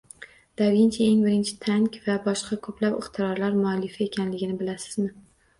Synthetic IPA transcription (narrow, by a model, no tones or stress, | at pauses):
d̪̥aɾɡʲɪnt͡ʃʰaeŋbɪɾɪnt͡ʃʰɪ̥t̪ʰaŋkʲvabɒʃqʰɑkʰɵplapɪχt̪ʰɪɾɒɾlaɾmʊalːɪfae̞kʲʰanlɪɡʲɪnɪbɪlasɪ̥zmɪ